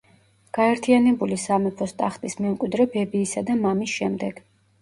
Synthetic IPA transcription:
ɡ̥aɛɾt̪ʰianɛbulisamɛpʰɔst̪ʼaχt̪ʼismɛmkʼwid̪ɾɛbɛbiːsad̪amamisʃɛmd̪ɛɡ̥

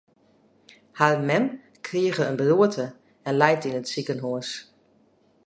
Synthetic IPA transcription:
harmɛm | kʰriəɣəənbəluətʰə | ɛnlɛjtinətsikənɦoəs

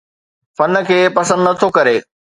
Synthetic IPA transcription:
fɐn̆kʰeːpɐsə̃nd̪nɐt̪ʰokɐɾeː

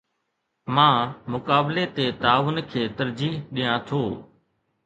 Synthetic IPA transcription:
mãːmʊkaːbleːt̪eːt̪aːʋʊnkʰeːt̪əɾd͡ʒiːɦɗijãːt̪ʰoː

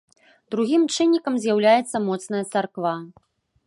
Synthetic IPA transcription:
d̪̥ɾuɣʲimt͡ʂɨnʲːikɐmzʲjawlʲajɛt̪sːɐmɔt̪snɐjɐt̪sarkva

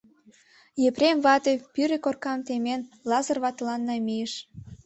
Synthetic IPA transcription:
jepremβɑt̪epyɾekorkɑmt̪emenlɑzə̆rβɑt̪lɑnːɑmieʃ

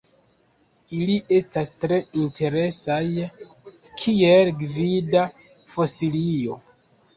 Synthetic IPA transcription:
iliʔe̞stastɾe̞inte̞ɾe̞saj | kʰielɡvida | fosilio̞̰

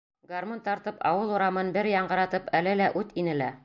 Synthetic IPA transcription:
ɡarmont̪ɑɾt̪ɤpɑ̰wɤlˠuɾɑmɤnbɘɾjɑɴɢɤ̆ɾɑt̪ɤpælɘlæʔʉt̪inɘ̆læ

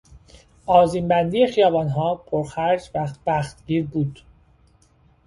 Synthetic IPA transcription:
ɒːziːmbænd̪iːexijɒːvɒːnɦɒːpʰoɾxæɾd͡ʒvæχt̪̚bæːxt̪ɟiːɾbuːd̪̥

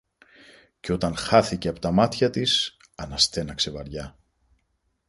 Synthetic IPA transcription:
ceo̞t̪ɐnxɐθice̞ɐpo̞t̪ɐmɐt̪çɐt̪is | ɐnɐst̪e̞nɐkse̞vɐɾʝɐ

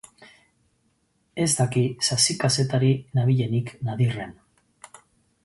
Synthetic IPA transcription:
e̞zd̪akisasikase̞t̪aɾinaβ̞iʎe̞niknaðire̞n

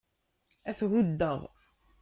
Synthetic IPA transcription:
æθɣʊd̪ːəʁ

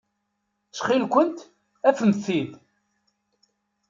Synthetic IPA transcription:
t͡sχilkʷənt̪ | æfmθil

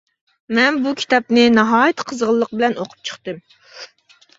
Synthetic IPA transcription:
mɛnbukʲʰi̥t̪ɑp̚nɪnɑɦɑːjɨt̪qʰəzʁəlˠːəq̚bɪlɛnoqʰʊ̥p̚t͡ʃʰə̥χt̪ɨm

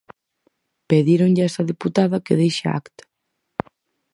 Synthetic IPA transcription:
peðiɾoŋʎɪɛst̪ɐðiput̪aðɐkeðejʃɪ̰a̰kt̪ḁ

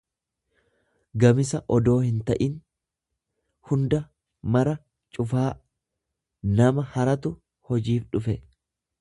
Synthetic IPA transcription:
ɡɐmɪsɐʔɔd̪o̞ːhɪnt̪ɐʔɪn | hʊnd̪ɐ | mɐɾɐ | t͡ʃʼʊfaː | nɐmɐhɐɾɐt̪ʊ | hɔd͡ʒiːfᶑʊfɛ

